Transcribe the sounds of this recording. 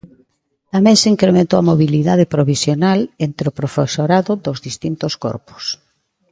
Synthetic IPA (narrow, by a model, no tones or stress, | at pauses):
t̪amẽŋseiŋkɾemẽnt̪owamoβiliðað̞epɾoβisjonalent̪ɾeʊpɾofesoɾaðʊd̪ozðist̪int̪oskɔ̰ɾpʊ̥s